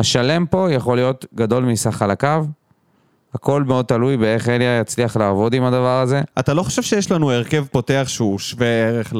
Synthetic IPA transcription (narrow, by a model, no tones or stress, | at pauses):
haʃale̞mpo̞jaχo̞lijo̞tɡad̪o̞lmisaχalakav | ako̞lme̞o̞d̪̚t̪alujbeeχeljajat͡sliaχlaːvo̞d̪imad̪avaʁaze̞at̪alo̞χo̥ʃevʃejeʃlanueʁke̞vpo̞te̞aχʃeuʃveeʁeχ